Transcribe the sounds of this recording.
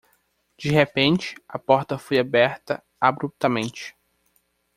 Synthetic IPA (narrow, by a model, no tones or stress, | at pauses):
d͡ʒiɦepẽnt͡ʃɪ̥ɐpɔɾt̪ɐfojabɛɾt̪ɐ̰ | abɾup̚t̪ɐmẽnt͡ʃɪ̥